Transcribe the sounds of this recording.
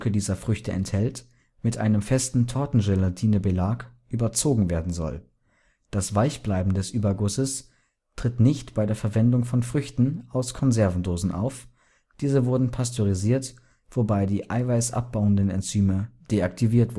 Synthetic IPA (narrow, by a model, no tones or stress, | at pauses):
kədiːzɐfʁ̥ʏçtəʔɛ̰nthɛlt | mɪtʔa̰ɪnəmfɛstn̩tʰɔɐtn̩ʒɛlatʰiːnəbəlaːkʔyːbɐt͡soːɡŋ̩veːɐdn̩zɔ̰l | d̥asv̥aɪçb̥laɪbm̩dɛsʔyːbɐɡʊsəs | tʁ̥ɪtnɪçtb̥aɪdeːɐfɛɐvɛndʊŋfɔnfʁ̥ʏçtn̩ʔaʊskʰɔnzɛɐvn̩doːzn̩ʔa̰ʊf | d̥iːzəvʊɐdn̩pʰastʰoʁiziːɐt | v̥obaɪdiːʔa̰ɪvaɪsʔa̰p̚b̥aʊəndənɛ̰nt͡syːməd̥eak̚tʰiviːɐtv̥ʊ